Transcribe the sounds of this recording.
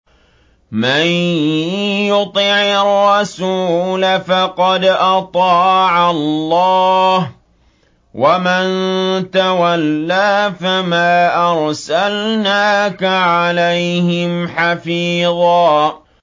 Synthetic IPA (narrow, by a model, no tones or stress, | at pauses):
man | jʊt̪ˤiʕɪrːɑsuːlafɑqɑd̪ʔɑt̪ˤɑːʕalːɑːh | wamant̪awalːaːfamaːʔɑɾˤsalnaːkaʕalajhɪmħafiːðˤɑː